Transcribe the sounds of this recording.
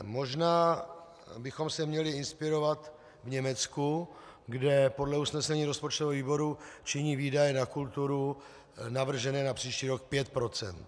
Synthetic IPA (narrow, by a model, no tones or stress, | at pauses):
mo̞ʒnaː | bɪxo̞msɛmɲɛlɪɪnspɪɾo̞vat̪ | vɲɛmɛt͡skuɡdɛpo̞dlɛusnɛsɛɲiːɾospot͡ʃt̪ovɛviːbo̞ɾut͡ʃɪɲiːviːdajɛnakult̪uɾu | navr̩ʒɛnɛːnapr̝̥iːʃciːɾo̞k̚pjɛt̪̚pɾo̞t͡sɛ̰nt̪